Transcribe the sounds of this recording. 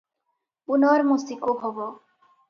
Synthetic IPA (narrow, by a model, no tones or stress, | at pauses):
punɔɾmusikobʱɔbɔ